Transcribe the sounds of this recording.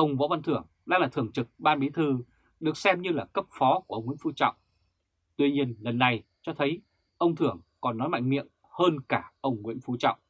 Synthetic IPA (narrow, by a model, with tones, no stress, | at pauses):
ʔə˧wŋ͡mvɔ̰˧˥va˧nt̪ʰɨ˧˩əŋ | ɗa̰ː˧˥laː˨˩t̪ɨ˨˩əŋt͡ɕɨ˨˩k̚ɓaː˧nɓi˨˦t̪ʰɨ˧ | ɗɨ˨˩ək̚sɛ˧mɲɨ˧laː˨˩kə˦˥p̚fɔ˨˦ku˧˩ə˧wŋ͡mŋw̰i˧˥˦fu˨˦t͡ɕɔ̰˧˨wŋ͡m | t̪wi˧ɲi˧ənlə˨˩nːa˨˩j | t͡ɕɔ˧t̪ʰə˨˦j | ʔə˧wŋ͡mt̪ʰɨ˧˩əŋkɔ˨˩nːɔ˨˦jma̰˧˨jŋ̟mḭ˧˨əm | həː˧nkaː˧˩ʔə˧wŋ͡mŋwḭ˧˥ənfu˨˦t͡ɕɔ̰˧˨wŋ͡mʔ